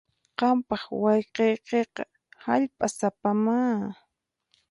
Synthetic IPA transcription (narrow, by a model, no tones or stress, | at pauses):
qɑmpɑχwɑjqejqeːqɑ̰ | haʎpʼasapamaː